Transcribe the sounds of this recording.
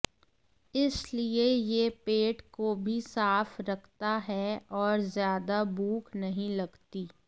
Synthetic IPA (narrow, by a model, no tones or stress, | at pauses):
ɪsliejepeːʈkobʱisaːfɾɐkʰt̪aɦɛɔːɾzjaːd̪abuːkʰnɐɦĩlɐɡt̪iː